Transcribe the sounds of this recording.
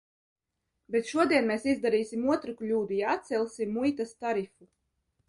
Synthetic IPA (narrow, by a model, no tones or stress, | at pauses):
bet̪ʃuɔd̪iɛnmeːsizd̪aɾiːsʲimuɔt̪ɾuklʲuːd̪ujaat̪t̪sɛlʲˠsʲimːujt̪ast̪aɾifu